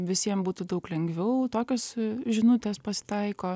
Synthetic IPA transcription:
ʋʲɪsʲiɛmbuːt̪uːd̪ɐʊklʲɛŋɡʋʲɛʊt̪oːkʲoːsʒʲɪnʊt̪ʲeːspɐsʲɪ̥t̪ɐɪkoː

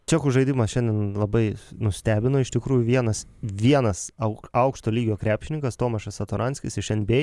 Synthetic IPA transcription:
t͡ʃʲæːkuʒɐɪd̪ʲɪmɐsʃʲɛnʲd̪ʲɛnlˠɐbɐɪnʊsʲt̪ʲæːbʲɪnoːɪʃt̪ʲɪkɾuːjʊʋʲiɛnɐsʋʲiɛnɐsɐʊɐʊkʃt̪oːlʲiːɡʲoːkɾʲæːpʲʃʲɪnʲɪŋkɐst̪oːmɐʃɐsɐt̪oɾʔɑnʲsʲkʲɪsɪʃɛnʲbʲeː

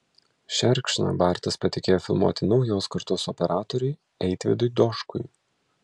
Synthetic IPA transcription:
ʃʲɛɾʲkʃʲnɐ̰bɑːˑɾʲt̪ʲɪspɐt̪ʲɪkʲeːjoːfʲɪlˠmṵɔt̪ʲɪnɒʊjoːskɐɾt̪oːsɔpʲɛɾaːt̪ɔɾʲʊɪ | ɛɪt̪ʲʋʲɪ̰d̪ʊɪd̪ɔʃkʊj

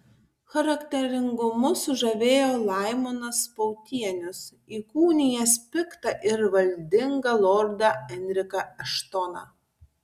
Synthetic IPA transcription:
xɐɾɐkʲt̪ʲɛɾʲɪŋɡʊmʊsʊʒɐʋʲeːjoːlˠɑˑɪmonɐspɔʊt̪ʲiɛnʲʊs | iːkuːnʲɪjɛspʲɪkt̪ɐʔɪɾʋɐlʲd̪ʲɪŋɡɐlˠɔɾd̪ɐɛnʲɾʲɪkɐɐʃt̪ɔnɑ̰

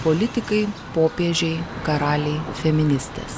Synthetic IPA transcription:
polʲɪt̪ʲɪkɐɪpoːpʲeːʒʲɛɪkɐɾɑːlʲɛɪfʲɛmʲɪnʲɪsʲt̪ʲḛːs

